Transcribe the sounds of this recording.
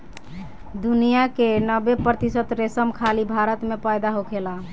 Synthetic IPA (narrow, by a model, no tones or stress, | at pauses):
d̪unijakenəbepɾət̪isət̪ɾesəmkʰalibʱaɾət̪mepajd̪aɦokʰela